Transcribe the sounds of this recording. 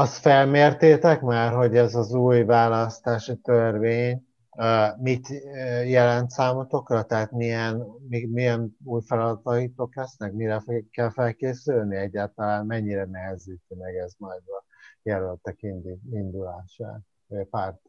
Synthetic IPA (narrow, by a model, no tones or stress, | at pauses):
ɒst̪fɛlmeːrt̪eːt̪ɛkmaːrɦo̞ɟɛzɒzuːjvaːlɒst̪aːʃit̪ørveːɲː | mit̪ːjɛlɛnt̪saːmot̪o̞krɒt̪ɛɦat̪miɛnmimijɛnuːjfɛlɒd̪ɒt̪ɒjit̪oklɛsnɛkmiɾɛfkːɛlfɛlkeːsylniɛɟːaːlt̪ɒlaːnmɛɲːiɾɛnɛɦɛziːt̪ønɛɡɛzmɒjd̪ɒ | jɛlølt̪ɛkind̪iind̪ulaːʃa̰ː | oɟɒpaːrt̪